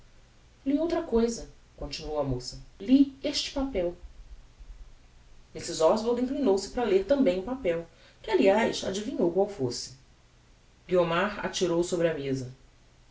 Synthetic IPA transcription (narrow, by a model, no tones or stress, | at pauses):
liowt̪ɾɐkojzɐ | kõt͡ʃinuowɐmosɐlieʃt͡ʃɪ̥papɛw | misizɔzvoɾd̪ĩŋklinowsɪ̥pɾɐleɾt̪ɐ̃mbẽj̃ʊpapɛw | kɪaliajsa̰d͡ʒivĩɲowkwawfosɪ̥ | ɡiomaɾa̰t͡ʃiɾowsobɾɪɐmezɐ